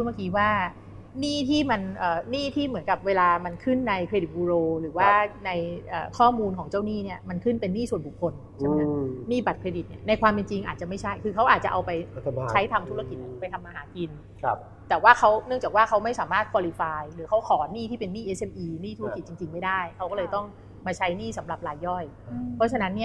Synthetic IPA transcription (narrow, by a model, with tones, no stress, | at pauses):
u˧˩maː˥˩kiː˧waː˥˩ | niː˥˩t̪ʰiː˥˩ma˧nʔəː˨˩niː˥˩t̪ʰiː˥˩mɯ˩˦ənka˨˩p̚weː˧laː˧ma˧nkʰɯ˥˩nːa˧jkʰɾeː˧di˨˩buː˧ɾoː˧ɾɯː˩˦waː˥˩na˧jʔəː˨˩kʰɔː˥˩muː˧nkʰɔː˩˦ŋt͡ɕa˥˩wniː˥˩ni˥˩ɐma˧nkʰɯ˥˩npe˧nːiː˥˩su˨˩ənbu˨˩kʰːo˧n | t͡ɕʰa˥˩a˦˩niː˥˩ba˨˩t̪̚kʰɾeː˧di˨˩t̪̚ni˥˩ɐna˧jkʰwaː˧mpe˧nt͡ɕi˧ŋʔaː˨˩t̪̚t͡ɕa˨˩ma˥˩t͡ɕʰa˥˩jkʰɯː˧kʰa˦˥wʔaː˨˩t̪̚t͡ɕa̰˨˩ʔa˧wpa˧jt͡ɕʰa˦˥jt̪ʰaː˧mt̪ʰu˦˥ɾa˧ki˨˩t̪̚ʔpa˧jt̪ʰa˧mːaː˧ɦaː˩˦ki˧nʰ˧ | t̪ɛː˨˩waː˥˩kʰa˦˥wnɯ˥˩ŋt͡ɕaː˨˩k̚waː˥˩kʰa˦˥wma˥˩jsaː˩˦maː˥˩t̪̚kʰwaː˧liː˧faː˧jɾɯː˩˦kʰa˦˥wkʰɔː˩˦niː˥˩t̪ʰiː˥˩pe˧nːiː˥˩ʔe˦˧sʔe˧mʔiː˧niː˥˩t̪ʰu˦˥˧ki˨˩t̪̚t͡ɕi˧ŋt͡ɕi˧ŋma˥˩jdaː˥˩jkʰa˦˥wkɔː˥˩lɤː˧jt̪ɔ˥˩ŋ | maː˧t͡ɕʰa˦˥jniː˥˩sa˩˦mɾa˨˩p̚laː˧jːɔ˥˩jpʰɔ˦˥t͡ɕʰa˧na˦˥nːi˥˩ɐ